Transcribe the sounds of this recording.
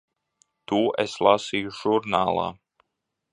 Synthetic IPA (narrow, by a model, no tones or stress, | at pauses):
t̪uːʔeslˠasiːjuʒ̥uɾnaːlˠa̰ː